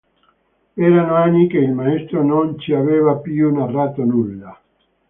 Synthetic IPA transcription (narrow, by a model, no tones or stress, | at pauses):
ɛːɾanoanːikeilmaest̪ɾonont͡ʃiaveːvapjunarːat̪onulːa